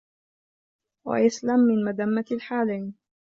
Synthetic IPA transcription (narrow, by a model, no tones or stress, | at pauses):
wa̰ʔaslamːɪnmad̪amːaalħaːlajn